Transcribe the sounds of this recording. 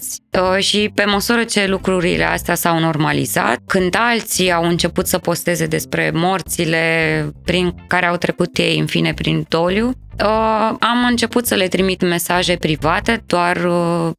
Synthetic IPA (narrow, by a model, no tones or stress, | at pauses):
sʲəʃipe̞məsuɾət͡ʃe̞lukɾuɾḭle̞̰a̰st̪easawno̞rmalḭz̥a̰t̪̚kɨnd̪alt̪siawɨnt͡ʃe̞put̪səpo̞st̪e̞ze̞d̪e̞spɾe̞mort̪sile̞pɾiŋkaɾe̞awt̪ɾe̞kut̪je̞jɨnfine̞pɾind̪o̞ljuəamɨnt͡ʃe̞put̪səle̞t̪ɾimit̪me̞saʒe̞pɾivat̪e̞d̪oar